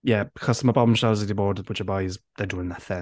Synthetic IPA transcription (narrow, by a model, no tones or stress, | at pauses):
jɛb̥ɪkʰɒz̥tʰəməbɔmʃawzɪdɪbɔːdəwɪt͡ʃəbajzðədəɪ̃ŋðətθɪ̃